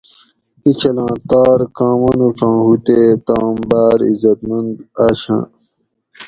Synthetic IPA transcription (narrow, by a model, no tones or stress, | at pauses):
it͡ɕʰɐlãːt̪aːɾkãːmɐnuʈ͡ʂʰãːhut̪et̪aːmbaːɾḭzɐt̪mɐnd̪aːɕã̰ː